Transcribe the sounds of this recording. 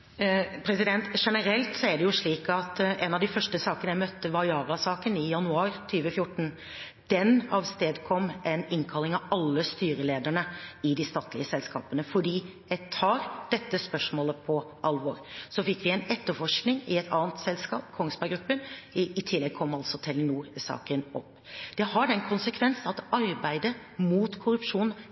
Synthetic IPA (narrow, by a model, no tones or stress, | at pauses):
pʰɾɛsɪd̪ɛnt̪ʂɛnəɾɛlt̪sɔæɖɛjʊʂɭiːkɑt̪ɛːnɑʋd̪ɪfœʂʈəsɑːkənəjɛɪmœt̪ːəʋɑjɑːɾɑsɑːkənɪjɑnʉɑːɾt̪ʰyːʋəfjʊʈːɳ̩ | d̪̥ɛnɑʋst̪eːd̪kʰɔmːʔɛnɪŋkʰɑlɪŋɑʋɑlːəst̪yːɾəleːd̪əɳəɪd̪ɪst̪ɑːt̪ʰlɪəsɛlskɑ̰ːpənəfɔɖiːjɛɪt̪ʰɑːɾd̪̥ɛt̪ːəspœʂmoːləpʰɔʔɑlʋɔːɾsɔfɪkːʋɪɛɪnɛt̪ːəfɔʂknɪŋɪɛt̪ʰɑ̰ːnt̪sɛlskɑ̰ːpkʰɔŋsbæɪɡɾʉpːənɪt̪ʰɪlːɛɡ̚kʰɔmːɑlt̪sɔt̪ʰɛlənuːɾsɑ̰ːkənɔpːd̪̥ɛhɑɖɛnkʰʊnsəkʰʋɛnsnɑt̪ɑɾbæɪd̪ə | muːt̪kʰʊɾʉpʂuːn